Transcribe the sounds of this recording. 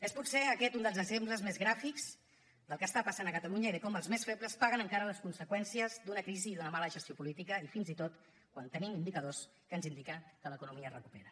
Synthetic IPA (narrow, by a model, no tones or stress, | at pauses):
esput̪seəkɛt̪und̪əlˠzəɡzempləzmezɣɾafikz̥ | d̪əlˠkəst̪apəsanəkət̪əluɲəiðəkɔməlˠzmesfepləspaɣənəŋkaɾələskunsəkwɛnsiəzd̪unəkɾiziːðunəmaləʒəst̪iopulit̪ikəifinzit̪ot̪ | kwant̪ənimind̪ikəðos | kənzind̪ikəkələkunumiərəkupḛɾə